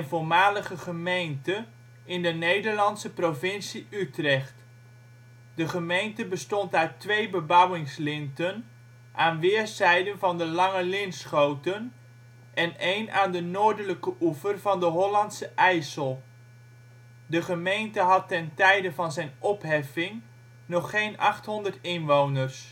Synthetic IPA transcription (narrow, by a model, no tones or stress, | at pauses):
nvʊːɹmaːləχəχəmejntə | ɪndənejdəɹlɑntsəprovɪnsiytrɛχt | dəχəmejntəbəstɔntatʋejbəbʌwɪŋslɪntən | ʔaːnʋɪːɹsɛjdənvɑndəlɑŋəlɪnsχowtən | ʔɛnejnaːndənoːɹdələkəʔufərvɑndəɦɔlɑntsəʔɛjsəlˠ | dəχəmejntəɦɑtːɛntɛjdəvɑnzɛjnʔɔpɦɛfɪŋ | nɔχːejnʔɑχtɦɔndəɹtɪnʋownərs